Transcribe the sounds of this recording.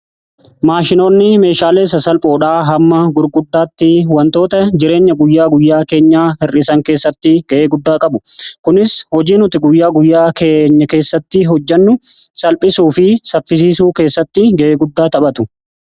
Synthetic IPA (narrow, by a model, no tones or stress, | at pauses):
maːʃɪno̞ːnːɪme̞ːʃaːle̞ːs̬ɐsɐlpʼoːᶑaːɦɐmːɐɡʊɾɡʊd̪ːaːt̪ːɪwɐnt̪o̞ːt̪ɐd͡ʒɪɾe̞ːɲːɐɡʊjːaːɡʊjːaːke̞ːɲːaːhɪrʔɪsɐŋke̞ːsːɐt̪ːɪɡ̥ɐʔeːɡʊd̪ːaːkʼɐbʊkʊnɪshɔd͡ʒiːnʊt̪ɪɡʊjːaːɡʊjːaːkʰeːɲːɐke̞ːsːɐt̪ːɪɦɔd͡ʒːɐnːʊsɐlpʼɪsuːfɪsɐfːɪs̬iːsuːke̞ːsːɐt̪ːɪɡɐʔeːɡʊd̪ːaːt̪ɐɓɐt̪ʊ